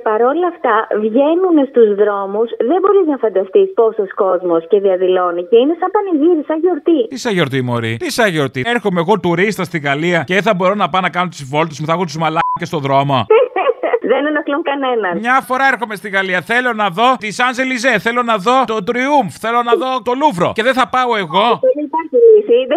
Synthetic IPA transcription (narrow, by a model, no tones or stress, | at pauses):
pɐɾo̞lɐft̪ɐvʝenunest̪uzðɾo̞musðembo̞ɾiznɐfɐnd̪ɐst̪ispo̞sosko̞zmo̞sce̞ðiɐðilo̞niceinesɐmpɐniʝiɾisɐnʝoɾt̪it̪isɐʝo̞ɾt̪imo̞̰ɾḭt̪isɐʝo̞ɾt̪ieɾxomeːɣo̞t̪uɾist̪ɐst̪iɣɐliɐceeθɐbo̞ɾonɐpɐnɐkɐnot̪usivo̞lt̪osmuθɐexot̪uzmɐlɐcest̪o̞ðɾo̞mo | ðenenɐkluŋkɐnenɐnmɲɐfo̞ɾɐe̞ɾxo̞me̞st̪iɣɐliɐθe̞lo̞nɐðo̞t̪isɐnzelizeθe̞lonɐðo̞t̪ot̪ɾiuɱfθe̞lo̞nɐðot̪o̞luvɾo̞̰ceðenθɐpɐoe̞ɣo̞onɐipɐɾçilisi